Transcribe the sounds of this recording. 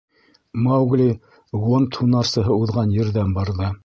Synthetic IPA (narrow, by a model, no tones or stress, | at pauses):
mɑwɡlʲi | wont̪ʰunɑɾsɤ̆ɦɤuðʁɑnjɘ̆ɾðænbɑɾðɤ